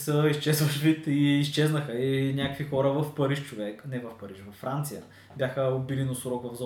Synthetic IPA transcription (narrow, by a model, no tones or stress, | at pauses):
səist͡ʃɛzvɐʃvit̪iːs̬t͡ʃɛznəxəinʲakəkvixɔɾəvɐfpəɾiʃt͡ʃovɛknɛvɐfpəɾiʃvɐfːɾant̪sijə | bʲjaxəobilinosɾɔkvɐvz